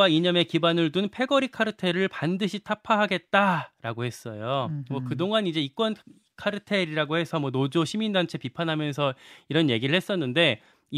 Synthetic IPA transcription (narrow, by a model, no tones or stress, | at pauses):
aiɲʌme̞kibanɯɭdunpʰe̞ɡʌɾikʰaɾɯtʰe̞ɾɯɭpandɯɕʰitʰapʰaɦaɡe̞t̚t͈aɾaɡohe̞s͈ʌjomʌkɯdoŋanid͡ʑe̞ik͈wʌn | kʰaɾɯtʰe̞ɾiɾaɡohe̞sʰʌmwʌnod͡ʑoɕʰimindant͡ɕʰe̞pipʰanɦamjʌns̬ʰʌiɾʌnje̞ɡiɾɯɭhɦe̞s͈ʌnːɯnde̞